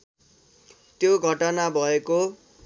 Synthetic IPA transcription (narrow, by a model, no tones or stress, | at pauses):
t̪joɡʱʌʈʌnabʱʌeko